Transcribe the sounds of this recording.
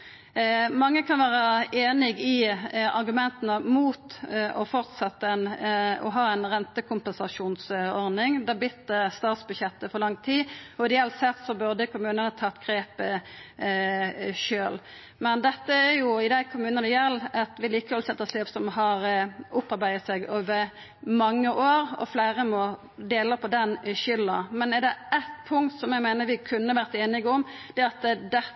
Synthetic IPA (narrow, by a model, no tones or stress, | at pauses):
mɑŋːəkʰɑnʋæːʁəeːnɪɡɪɑʁɡʉmɛnt̪ənəmuːt̪ɔfɔʁt̪sɑt̪ːəɛnɔɦɑːɛnʁɛnt̪əkʰʊmpɛnsɑʂuːnsɔɾd̪ɪŋd̪ɛbɪt̪d̪ɛst̪ɑːt̪sbʉd̪ɕɛt̪ːəfɔʁlɑŋt̪ʰiːɔɪd̪ɛɛlt̪sɛt̪ːsɔbʉʁd̪əkʰʊmʉːnənət̪ʰɑt̪ːɡ̥ʁeːpə | ʃøːl | mɛnd̪ɛt̪ːəæɾjʊɪd̪æɪkʰʊmʉːnənəjɛlːɛt̪ʋɪliːkəʋɔlsɛt̪ːəsløpsɔmhɑɾʔʊpɑɾbæɪət̪sɛɡoːʋə | mɑŋːəʔoːɾɔ̰flæɪʁəmɔ | d̪eːləpʰɔd̪ɛnɕʏlːəmɛnɛʁd̪ɛʔæt̪pʰʊŋkt̪sɔmjæɡmæɪnəɾʋɪkʰʉnːəʋæːʁt̪eːnɪɡəɔmd̪̥ɛɑt̪d̪ɛ